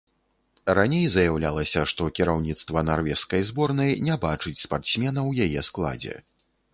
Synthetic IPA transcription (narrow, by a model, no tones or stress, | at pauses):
ranʲejzɐjawlʲalˠɐsʲɐʂt̪ɔkʲiɾawnʲit̪st̪vɐnarvʲɛʂskɐjzbɔrnɐjnʲɛbat͡ʂɨt͡sʲspart̪smʲɛnɐwjajɛsklˠa̰d͡zʲɛ̰